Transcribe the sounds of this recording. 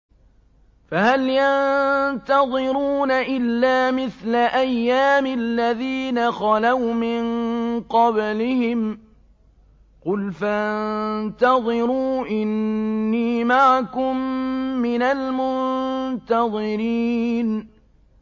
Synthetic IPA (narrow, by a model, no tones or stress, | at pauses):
faɦaljannt̪ɑðˤɨɾuːnaʔɪlːaːmɪθlaʔajːaːmɪlːaðiːnaxɑlawmɪnqɑblɪhɪm | qʊlfannnt̪ɑðˤɨɾuːʔɪnːiːmaʕakʊmːɪnalmʊnnt̪ɑðˤɨɾiːn